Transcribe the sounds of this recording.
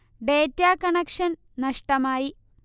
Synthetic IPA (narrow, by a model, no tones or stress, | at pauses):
ɖeːtːaːkɐɳɐkʂɐn | nɐʂʈɐmaːji